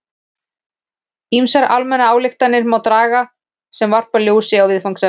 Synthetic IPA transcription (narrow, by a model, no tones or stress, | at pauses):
imsaɾa̰lmɛnaaːwlɪxt̪anːɪɾmaːwt̪ɾaːɣa | sɛmvar̥paljoːwsɪawvɪðfaŋksɛ